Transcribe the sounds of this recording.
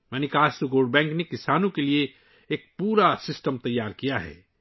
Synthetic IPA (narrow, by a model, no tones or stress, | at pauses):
mɛːnikaːst̪oɡoːɖbɛ̃ːŋknekɪsaːnõkelieː | k̚puːɾasɪsʈəmt̪ɐjːaːɾkijaɦɛ̰ː